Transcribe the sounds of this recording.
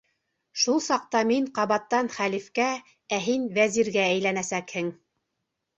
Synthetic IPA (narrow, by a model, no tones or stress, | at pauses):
ʃulˠsɑq̚t̪ɑmiɴqɑβɑt̪ːɑnχælifkæ | æɦinvæziɾɡææjlænæsækhɘŋ